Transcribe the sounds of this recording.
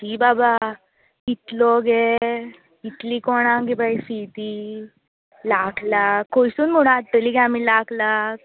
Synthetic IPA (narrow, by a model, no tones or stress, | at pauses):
t̪ibaba | it̪lɔɡe | it̪likɔɽ̃ãŋɡibaisit̪i | lakʰlakːojsuːnm̤əɽ̃ũaʈːeliɡaamilaklak